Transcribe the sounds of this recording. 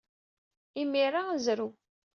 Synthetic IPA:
imiɾazɾu

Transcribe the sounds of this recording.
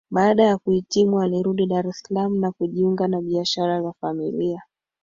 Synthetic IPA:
ɓaːɗajakuhitimualiɾuɗiɗaɾɛsalamunakuʄiuŋɡanaɓiaʃaɾazafamilia

